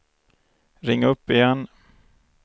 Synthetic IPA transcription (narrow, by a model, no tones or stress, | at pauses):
ɾɪŋːaɵpːɪjɛn